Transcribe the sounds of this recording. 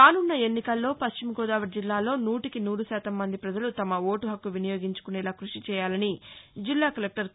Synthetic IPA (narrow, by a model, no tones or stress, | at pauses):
kaːnunːɐe̞nːikɐlːo̞ːpɐʃt͡ʃimɡɔːd̪aːʋɐʈ̚d͡ʒilːaːlo̞ːnuːʈikinuːɾusaːt̪ɐmːɐnd̪ipɾɐd͡ʒɐlut̪ɐmɐo̞ːʈuɦɐkːuʋinijo̞ːɡiɲt͡ʃu̥kunɛːlaːkɾuʂit͡ʃɛːjaːlɐnid͡ʒilːaːkɐlek̚ʈɐɾ